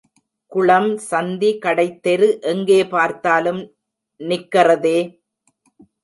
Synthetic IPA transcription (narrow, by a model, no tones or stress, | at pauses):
kʊɭɐmsɐnd̪ikɐɽɐɪt̪ːɛɾɯʔɛŋɡeːpaːɾt̪aːlɯm | nɪkːɐrɐðeː